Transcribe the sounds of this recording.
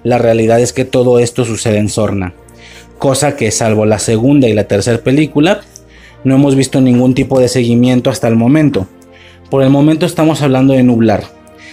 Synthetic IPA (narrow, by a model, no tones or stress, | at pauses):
lare̞aliðaðe̞ske̞t̪o̞ðo̞e̞st̪o̞suse̞ð̞eːnso̞ɾna | ko̞sake̞salβolase̞ɣund̪ailat̪e̞ɾse̞ɾpe̞likula | no̞e̞mo̞zβist̪o̞nĩŋɡunt̪ipo̞ðe̞se̞ɣimje̞nt̪o̞ast̪aelmõ̞mẽ̞nt̪o̞ | po̞ɾe̞lmo̞ment̪o̞est̪amo̞saβ̞land̪o̞ðe̞nuβlaɾ